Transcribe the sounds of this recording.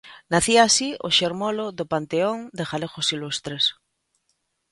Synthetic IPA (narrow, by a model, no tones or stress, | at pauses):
naθiaːsioʃeɾmoloðopant̪eoŋd̪exalexosilust̪ɾes